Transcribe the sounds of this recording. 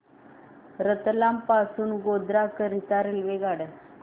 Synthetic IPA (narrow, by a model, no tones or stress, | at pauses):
ɾət̪lampasuːnɡod̪ɾakəɾit̪aɾilʋeɡaɽə